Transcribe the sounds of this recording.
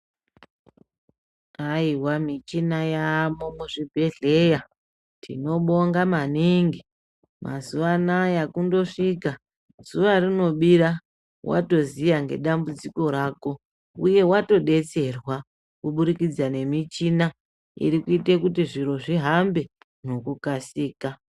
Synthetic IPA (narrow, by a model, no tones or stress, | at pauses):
aiwamit͡ʃinajamomuʐibʱe̞ɮe̞ja | tʰḭno̞ɓo̞ŋɡamaniŋɡi | ma̰zuʋanajakundo̞ʂika | z̥uʋarino̞ɓiɾa | wʔa̰to̞zijaŋɡe̞̰ɗambud͡ziko̞ɾaːko̞ | ṵje̞wato̞ɗe̞t͡se̞rwa | kuɓuɾikid͡zane̞mit͡ʃina | ḭɾikuitekutiʐiɾo̞ʐiɦambe̞ | no̞kukasiːka